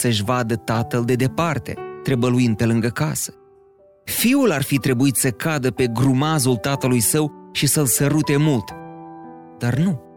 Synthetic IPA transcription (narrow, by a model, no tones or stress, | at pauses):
səʃvad̪ət̪at̪əld̪e̞d̪e̞part̪e̞̰t̪ɾe̞bəluind̪̚pe̞lɨŋɡəkasə̥ | fiularfit̪ɾe̞buit̪səkad̪əpe̞ɡɾumazult̪at̪əlujsəwʃisəlsəɾut̪e̞mult̪ | d̪̥arnu